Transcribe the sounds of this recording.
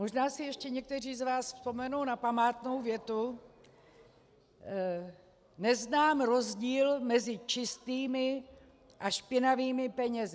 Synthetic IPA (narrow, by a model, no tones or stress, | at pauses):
mo̞ʒnaːsɪjɛʃcɛɲɛk̚t̪ɛr̝iːzvaːsfspo̞mɛnownapamaːt̪nowvjɛt̪u | nɛznaːmɾo̞zɟiːlmɛzɪt͡ʃɪst̪iːmɪ | ʔaʃpɪnaviːmɪpɛɲɛz